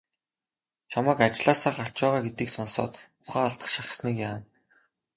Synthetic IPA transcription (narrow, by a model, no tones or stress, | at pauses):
t͡ɕʰamaːkat͡ɕɮaːsaːχar̥t͡ɕpæːʁaːɡet̪iːksɔnsɔ̰ːt̪ | ʊχaːɮt̪ə̥̆χʃaχsniːkjaːn